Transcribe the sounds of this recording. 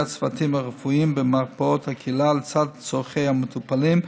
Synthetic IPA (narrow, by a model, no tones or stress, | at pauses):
at͡sfatimaʁəfuimbəmaʁpaɔthakʰilalt͡sadt͡soχeɪhamɪtʰupalim